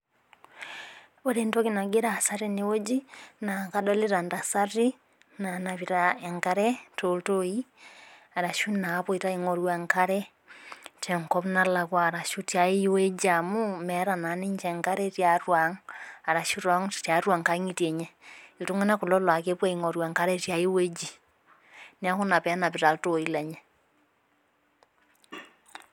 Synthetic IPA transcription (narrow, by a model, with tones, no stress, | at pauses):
oɾe˨nto˦kina˨ɡe˦ɾaː˨saɾine˦wo˦d͡ʒi˦na˨kadɔle˦ɾanda˨saɾi | na˨naβiɾaɛŋka˦ɾɛtoltoi | a˨ɾa˨ʃuna˨βoiɾa˦iŋɔɾwaŋkaɾɛ | tʰɛ˨ŋkɔβnala˨ɣwa˨ɾa˨ʃutja˨i˦we˦d͡ʒamumɛ˨˦ɾa˨na˨˦ni˦ɲt͡ʃɛ˨ŋka˦ɾɛ˦tja˨ɾwa˨ŋa˨ɾa˨ʃu˦ɾɔ˨˦ŋtja˨ɾwa˨ŋka˦ŋi˦tje˨ɲɛitu˦ŋa˦na˦ku˨lɔ˦lwa˨ke˦pwa˦iŋɔ˨ɾwa˨ŋka˦ɾɛ˦tja˨i˦we˦d͡ʒi˨ | ni˦a˦ko˦na˨pɛ˨˦na˨βi˨ɾa˨lto˨i˦la˨ɲɛ